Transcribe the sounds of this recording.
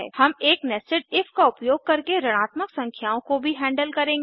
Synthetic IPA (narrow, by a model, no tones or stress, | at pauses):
ɛ̰ːhɐmeːknɛsɪʈ̚ɪfkaʊpjoːɡ̚kɐɾkeɾəɽ̃aːt̪məksɐ̃ŋkʰjaːõkobʱiɦɛ̃ːɳɖəlkɐɾẽːŋɡeː